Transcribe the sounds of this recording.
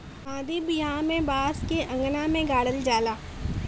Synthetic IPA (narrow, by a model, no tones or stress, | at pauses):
ãːd̪ibjɦãmẽbaːskeʔɐ̃ŋɡnamẽɡaːɽəld͡ʒaːlaː